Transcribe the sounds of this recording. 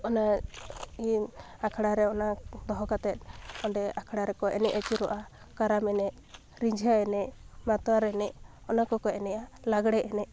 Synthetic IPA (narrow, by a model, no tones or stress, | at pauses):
ɔna | i | akʰaɽaɾɛɔnad̪ɔɦɔkat̪ɛt̪̚ˀɔɳɖɛakʰaɽaɾɛkɔʔɛnɛʔat͡ʃiɾɔʔa | kaɾamɛnɛʔ | ɾiɲd͡ʒʱaɛnɛʔmat̪ɔwaɾɛnɛʔ | ɔnakɔkɔɛnɛʔalaɡɽɛʔɛnɛ